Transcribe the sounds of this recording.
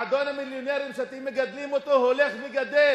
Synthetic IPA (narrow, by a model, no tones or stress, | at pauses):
ad̪onhamiljoneʁimʃat̪imeɡad̪limot̪oɦoleχveɡad̪el